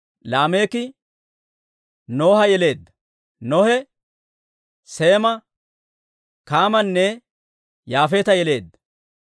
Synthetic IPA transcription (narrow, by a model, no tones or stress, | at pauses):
laːme̞ːkɪ | no̞ːhɐjɛle̞ːd̪ːɐ̥ | nɔhɛ | se̞ːmɐ | kaːmɐnːɛ | jaːfeːt̪ɐjɛle̞ːd̪ːɐ̥